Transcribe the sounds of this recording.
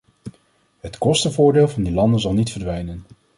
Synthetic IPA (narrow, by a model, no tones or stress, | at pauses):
ɦətkɔstəvʊːɹdeːlˠvɑndilɑndənzɑlˠnitfəɹdʋɛjnən